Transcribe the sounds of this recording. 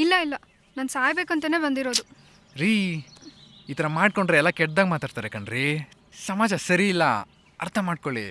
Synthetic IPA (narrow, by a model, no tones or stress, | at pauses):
ilːɐilːɐ | nɐnsaːjbeːkɐnt̪ɐne̞ːbɐnd̪iɾo̞ːd̪u | ɾi | iːt̪ɐɾɐmaːɖ̚koɳɖɾeɛlːɐkɛʈ̚d̪aːɡmaːt̪aːɖt̪aːɾekɐɳɾi | sɐmaːd͡ʒɐsɐɾiːlːɐ̰ | ɐ̰ɾt̪ʰɐmaːɖkoɭḭ